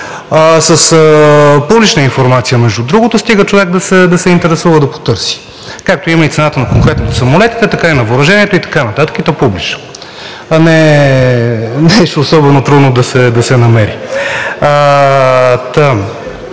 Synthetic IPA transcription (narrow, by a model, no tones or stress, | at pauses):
əsəsəpublit͡ʃnəinfoɾmat̪sijəmɛʒd̪ud̪ɾuɡot̪ost̪iɡət͡ʃovɛk̚d̪ɐsɛd̪ɐsɛint̪ɛɾɛsuvəd̪ɐpo̥t̪ɤɾsi̥ | kak̚t̪oiməit̪sɛnat̪ənɐkoŋkɾɛt̪not̪osɐmolɛt̪i̥t̪ɛt̪ɐkainɐvoɾɐʒɛniɛt̪oit̪ɐ̥kanɐt̪at̪ə̥kit̪ɔpublit͡ʃno̥ | nɛ | nɛʃːsɔbɛnot̪ɾud̪nod̪ɐsɛd̪ɐsɛnɐmɛɾi | t̪əm